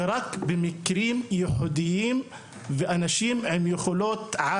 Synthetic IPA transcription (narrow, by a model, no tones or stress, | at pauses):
ɾˤɑkbɪmɪkɾiːmjʊħʊd̪ɪjːiːm | vɪʔanaʃiːmʕɪmjʊxʊloːt̪ʕa